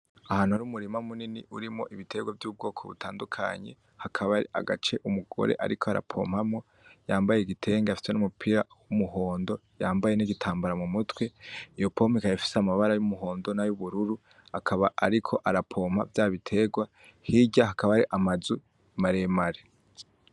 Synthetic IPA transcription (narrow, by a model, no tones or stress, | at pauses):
ahaːn̥huaɾuːmuɾimamuniniʔuɾimo̞̰ʔiβitʰe̞ɡwavjuːb̚ɡo̞ːkʰo̞̰βṵtʰaːndukʰa̰ɲe̞̰ | hakʰaβaɾia̰ɡat͡ʃe̞ʔumuɡ̥o̞̰ɾeʔa̰ɾikʰo̞aɾa̰pʰo̞̰ːm̥hamŋo̞ | jaːmbajeɡitʰe̞ːŋɡeafi̥senumupʰiɾawumuɦo̞ːndo̞jaːmbaje̞niɡitʰaːmbaɾamumutwe̞ijo̞po̞ːmikajafi̥seamaβaɾajumuɦo̞ːndo̞najuβuɾuɾu | akʰaβaʔaɾikʰo̞ʔaɾapʰo̞ːm̥ha̰vjaːβitʰe̞ɡwa | hiɟahakaβaaɾiʔamazu | imaɾe̞maɾe